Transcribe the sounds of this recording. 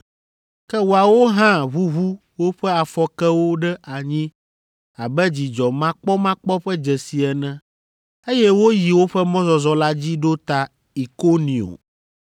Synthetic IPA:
kɛ˦wo˨a˨wo˦ɦã˦βu˦ɦu˦ | wo˦ɸɛ˦a˨fɔ˨kɛ˦wo˦ɖɛ˦ʔa˨ɲĩ˦ | a˨bɛ˦d͡ʑi˨d͡ʒɔ˨mã˦k͡pɔ˦mã˦k͡pɔ˦ɸɛ˦d͡ʒɛ˨si˨ɛ˨nɛ̃˦ | e˦jɛ˦wo˦ji˨wo˦ɸɛ˦mɔ̃˦zɔ˨zɔ˨la˦d͡ʑi˦ɖo˦t̪a˨ | i˨ko˦nĩ˨o̰˨

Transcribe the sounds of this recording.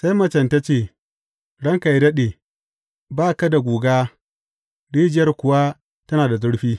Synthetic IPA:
sa˦jmɐ˦t͡ʃɐ˨nta˦t͡ʃeː˦˨ | ɽɐ˦ŋka˨jdɐ˦ɗeː˨ | baː˦ka˦da˨ɡʷuː˨ɡaː˦ | ɽiː˦d͡ʒɪ˦jɐ˦rkʷʊ˨wa˦ | tɐ˦naː˨da˨zʊ˦ɽɸiː˦

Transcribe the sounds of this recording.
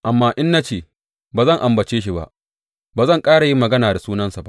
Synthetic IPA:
ʔa˨mːaː˦ʔɪ˦nːa˦t͡ʃeː˨ | baː˨zɐ˦˨ŋʔa˨mbɐ˨t͡ʃeː˦ʃ̬i˦˨ba̰˦ʔ | baː˨zɐ˦˨ŋkʼaː˦ɽa˨ji˦mːɐ˨ɡɐ˦naː˨da˨suː˦nɐ˦nsa˨ba̰˦ʔ

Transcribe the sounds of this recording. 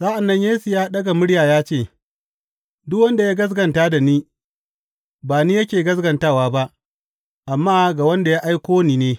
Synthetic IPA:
saː˦ʔa˨nːɐ˦ɲjeː˦su˨jaː˦ɗɐ˦ɡa˨mʊ˦ɽjaː˨jaː˦t͡ʃeː˦˨ | dʊ˦kwɐ˦nda˨jaː˦ɡɐ˦s̬ɡɐ˨ntaː˦da˨niː˦ | baː˨niː˦jɐ˦kʲeː˨ɡɐ˦s̬ɡɐ˨ntaː˦˨waː˦ba˦ʔ | ʔa˨mːaː˦ɡa˨wɐ˦nda˨ja˦ʔa˦jkʷoː˦niː˨neː˦

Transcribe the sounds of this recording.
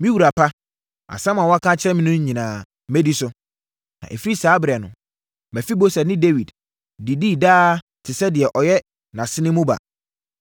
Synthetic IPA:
mĩ˦wu˨ɾa˨pʰa˦ | a̰˨sã˦mã˨wɔ˦a˦kʰã˦t͡ɕʰɪ˦ɾɛ̃˦mɪ̃˦nʊ̃˦ɲ̩˦ɲĩ˨nãː˨˦ | me˦di˦sʊ˦ | nã̰˨ʔe˨fi˦ɾi˦saː˨˦bɪ˨ɾɛ˨nʊ̰̃˨ | mæ˨fi˦bo˦sɛ˨nɪ̃˦de˦wi˨d | di˨diː˦˨daː˦ | tʰɪ˨sɛ˦dɪ˨ɛ˨ʔɔ˨jɛ˦ | nã˨sɪ˦nɪ̃˦mũ˦ba̰˨

